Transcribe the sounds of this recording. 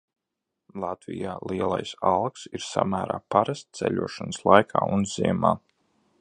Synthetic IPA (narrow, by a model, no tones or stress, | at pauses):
lˠat̪vijaːlˠiɛlˠajsalˠksiɾsa̰mæːɾaːpaɾast̪t̪sɛʎʲuɔʃanslˠajkʰaːunziɛmaː